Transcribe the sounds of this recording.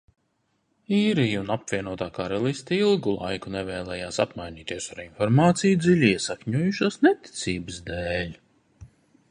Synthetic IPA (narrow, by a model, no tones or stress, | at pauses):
iːɾijunapvʲiɛnuɔt̪aːkaɾɛlˠist̪ilˠɡulˠa̰jkunɛvɛːlˠɛːjaːsa̰pmajnʲiːt̪iɛsaɾinfɔɾmaːt̪sijud̪zilʲiɛsakɲuɔjuʃasnɛt̪i̥t̪siːbɨsd̪eːlʲ